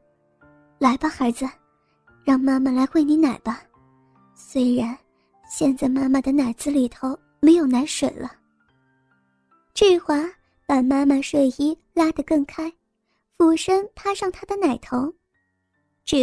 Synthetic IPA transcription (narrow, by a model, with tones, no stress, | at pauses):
la˧˥ɪba˧xə˞˧˥d͡zɹ̩˧ | ɻɑ˥˧ŋma˥ma˨la˧˥ɪxwe˥˩ɪni˧˥na˨˩ɪb̥ɐ˦ | swe˥ɪɻa˧˥n | ɕjɛ˥˧nt͡sa˥˧ɪma˥ma˨d̪ə˩na˨˩ɪd͡zɹ̩˧li˨˩t̪ʰo˧˥ʊ | me˧˥ɪjo˨˩ʊna˧˥ɪʂwe˨˩ɪlʔə˦ | ʈ͡ʂ̩˥˩xwa˧˥ | pa˨˩ma˥ma˨ʂwe˨˩ɪi˥ | la˥d̪ə˨kɤ˥˩ŋkʰa˥ɪ | fu˨˩ʂə˥ŋpʰa˥ʂɑ˥˩ŋt̪ʰa˥d̪ə˨na˨˩ɪt̪ʰo˧˥ʊ | ʈ͡ʂ̩˥˩